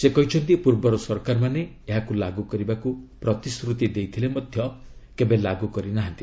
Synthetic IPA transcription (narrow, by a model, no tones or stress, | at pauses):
sekɔɦit͡ʃʰɔnt̪ipuɾbɔɾɔsɔɾkaɾmane | eɦakulaɡukɔɾibakupɾɔt̪iskɾut̪id̪ejt̪ʰilemɔd̪ʱjɔkebelaɡukɔɾinaɦant̪i